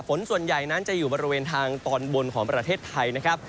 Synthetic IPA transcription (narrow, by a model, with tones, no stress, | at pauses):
fo˩˦nsu˨˩ənja˨˩jna˦˥nt͡ɕa˨˩juː˨˩bɔː˧ɾi˦weː˧nt̪ʰaː˧ŋt̪ɔː˧nbo˧nkʰɔː˩˦ŋpɾa˧t̪ʰeː˥˩t̪ʰːa˧jna˦˥kʰa˦˥p̚